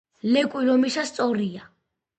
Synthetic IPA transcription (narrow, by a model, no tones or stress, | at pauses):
lɛkʼwilɔmisast̪sʼɔɾia